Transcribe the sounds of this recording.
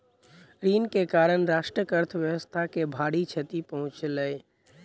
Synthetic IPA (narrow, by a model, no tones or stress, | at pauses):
ɾiːnkekaːɾəñɾaːʃʈɾəkəɾt̪ʰəʋjəwəst̪ʰakebʱaːɽit͡ʃʰət̪ipəɦʊ̃t͡ʃləe